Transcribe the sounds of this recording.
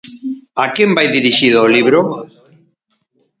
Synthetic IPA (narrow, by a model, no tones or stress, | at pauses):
akembajðiɾiʃiðʊːliβɾo